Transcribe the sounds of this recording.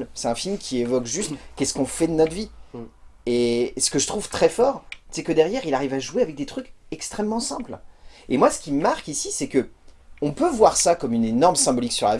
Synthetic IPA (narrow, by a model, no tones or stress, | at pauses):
lsɛt̪ɛ̃filmkʲievɔkʒyst̪kʲɛsə̥kɔ̃fɛd̪ənɔt̪vi | esə̥kəʒət̪χuv̥t̪χɛfɔʁsɛkəd̪ɛʁjɛʁilaʁivaʒuweavɛk̚d̪et̪χykɛkst̪χɛmːɑ̃sɛ̃plemwasə̥kʲiməmaʁkisisɛkəɔ̃pøvwaʁsakɔmynenɔʁmsɛ̃bɔliksyʁlav